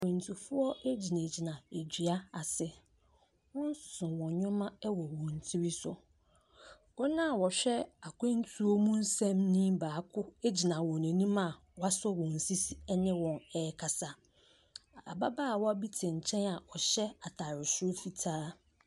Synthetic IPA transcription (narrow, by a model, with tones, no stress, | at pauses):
ẽ˨n̩˨tʰu˨fʊ˦ɔ˦e˦d͡ʑi˨nã˨d͡ʑi˨nã˨e˨d͡ʑᶣi˨a˦a˨sɪ˦ | wɔ̃˦n̩˦sʊ̥˨sʊ̃˨wɔ̃˨ɲᶣʊ̃˦mã˦wɔ˨wɔ̃˨n˨tʰi˦ɾi˦sʊ˨ | ɔ˦nã˦˨wɔ˨ɕᶣɛ˦a˨kʰʷẽ˦n̩˦tʰu˦o˦mũ˦n̩˦sɛ̃˦mnĩ˦baː˨kʰʊ˦e˦d͡ʑi˨nã˨wɔ̃˨nã˨nĩ˦mã˨ | wa˦sʊ˦wɔ̃˨n̩˨si˦si˦ɛ˦nɪ̃˦wɔ̃˨nɛ˦kʰa˨sa˨ | a̰˨ba˦baː˦˨wɔ˦a˦bi˦tʰɪ̃˨ɲ̩˨t͡ɕʰɛ̃˦na˨ɔ˨ɕɛ˦a˨tʰa˨ɾɪ˨sʊ˦o˦fi˨tʰaː˦